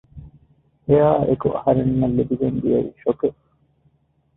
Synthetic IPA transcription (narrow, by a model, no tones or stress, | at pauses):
hejaːʔekuʔɐ̰hɐɾenːɐlːibiɡend̪ijɐḭʃokeʔ